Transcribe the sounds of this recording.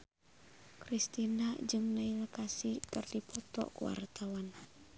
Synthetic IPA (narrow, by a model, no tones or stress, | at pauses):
kɾist̪inad͡ʒɨŋnailokasikɨrdipʰɔt̪ɔ̰kṵwa̰rt̪awan